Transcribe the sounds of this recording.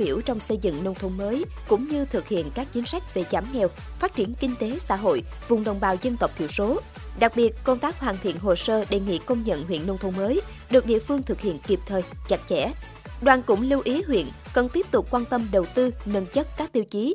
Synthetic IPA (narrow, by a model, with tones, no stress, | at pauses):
ɓḭ˧˩əwt͡ɕɔ˧wŋ͡msə˧jzɨ̰˧˨ŋno˧wt̪ʰə˧ŋ͡mməː˨˦j | kʊ̰˧˥ŋ͡mɲɨ˧t̪ʰɨ˨˩k̚hḭ˧˨ənkaː˦˥k̚t͡ɕi˨˦ŋ̟sa˦˥jk̟̚ve˨˩zaː˨˩˦mŋɛ˨˩w | faː˦˥t̚t͡ɕi˧˩ənkï˧ŋ̟t̪e˨˦sa̰ː˧˥ɦo̰˧˨j | vʊ˨˩ŋ͡mɗə˨˩wŋ͡mɓaː˨˩wzə˧nt̪ə˨˩k͡p̚t̪ʰḭ˧˩əwso˨˦ | ɗa˨˩k̚ɓi˨˩ət̚ko˧ŋ͡mt̪aː˦˥k̚hwaː˨˩nt̪ʰḭ˧˨ənɦo˨˩səː˧ɗe˨˩ŋḭ˧˨kə˧wŋ͡mɲə̰˧˨nɦwḭ˧˨ənːo˧wŋ͡mt̪ʰə˧˦məː˨˦j | ɗɨ˨˩k̚ɗḭ˧˨əfɨ˧əŋt̪ʰɨ˨˩k̚hḭ˧˨ənki˨˩p̚t̪ʰəː˨˩jt͡ɕa˨˩jk̚t͡ɕɛ̰˧˥ | ɗwaː˨˩nkʊ̰˧˥ŋ͡mlu˧wʔi˨˦ɦwḭ˧˨ən | kə˨˩nt̪i˦˥p̚t̪ʊ˨˩k͡p̚kwaː˧nt̪ə˧mɗə˨˩wt̪ɨ˧nə˧nt͡ɕə˦˥t̚kaː˦˥k̚t̪i˧wt͡ɕi˨˦